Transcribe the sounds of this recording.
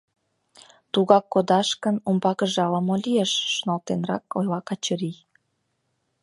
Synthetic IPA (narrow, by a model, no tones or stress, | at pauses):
t̪uɣɑkːod̪ɑʃkənumbɑkəʒɑləmolʲieʃːonɑlt̪enrɑkojlɑkɑt͡ɕəɾi